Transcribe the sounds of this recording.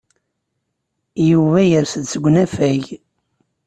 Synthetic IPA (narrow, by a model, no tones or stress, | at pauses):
juvæjəɾsəd̪t͡sːəɡʷːnæfæʝ